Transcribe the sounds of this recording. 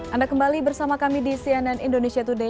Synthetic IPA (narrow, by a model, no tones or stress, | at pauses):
ʔandakəmbalibərsamakamidisiananindonesiat̪ude